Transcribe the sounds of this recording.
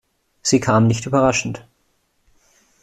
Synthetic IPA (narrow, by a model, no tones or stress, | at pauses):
z̥iːkʰaːmnɪçtyːbɐʁaʃn̩t